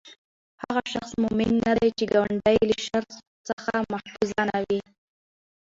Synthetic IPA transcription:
haɣaʃaxsmʊmɪnːad̪at͡ʃeɡawaɳɖajləʃaɾs | səxamahfuzɑnawi

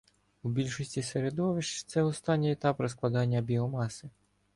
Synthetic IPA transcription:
ubʲilʲʃɔsʲtʲiseɾed̪ɔʋɪʃt͡ʃt̪sɛɔst̪ɑnʲːijɛt̪ɑpɾɔsklˠɐd̪ɑnʲːɐbʲiɔmɑsɪ

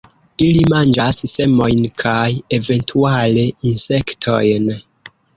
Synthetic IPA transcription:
ilimand͡ʒasːe̞mo̞jnkʰaje̞ve̞ntʰuale̞inse̞ktʰo̞̰jn

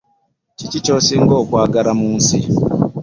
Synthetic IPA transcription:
cicit͡ʃoːsiŋɡo̞ːkwaːɡaɾamuːnsi

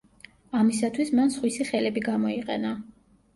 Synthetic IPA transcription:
amisat̪ʰwismansχwisiχɛlɛbiɡamɔiqʼɛna

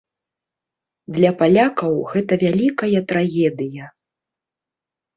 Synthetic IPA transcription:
d̪lʲɐpalʲakɐwɣɛt̪ɐvʲalʲikɐjɐt̪ɾaɣʲɛd̪ɨjɐ

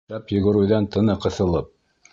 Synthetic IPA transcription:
æpjɵ̆ɡɵ̆ɾʉjðænt̪ɤ̆nɤqɤ̆θɤ̆lˠɤp̚

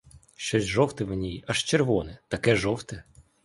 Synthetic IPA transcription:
ʃt͡ʃɔsʲʒɔwt̪ɪmnʲijɐʂt͡ʃerʋɔnɛt̪ɐkɛʐɔwt̪ɛ

